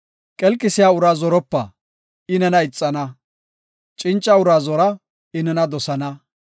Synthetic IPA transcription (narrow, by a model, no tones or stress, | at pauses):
kʼɛlkʼːɪsɪjaːʊɾaːzɔɾɔpːɐ̰ | ɪnɛnɐɪt͡sʼːɐnɐ | t͡ʃʼɪnt͡ʃʼːɐʊɾaːzɔɾɐ | ɪnɛnɐd̪ɔsɐnɐ